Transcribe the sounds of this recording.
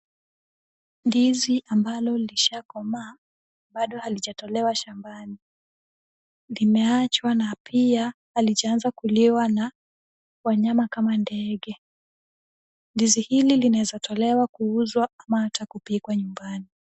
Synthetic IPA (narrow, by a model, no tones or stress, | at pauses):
ndiziʔambalɔliʃakɔmaː | ɓaɗɔhaliʄatɔlɛwaʃambani | limɛat͡ʃwanapʰiahaliʄaanzakuliwana | waɲamakamandɛɠɛ | ndizihililinaɛzatɔlɛwakuuzwaamahatakupikwaɲumbani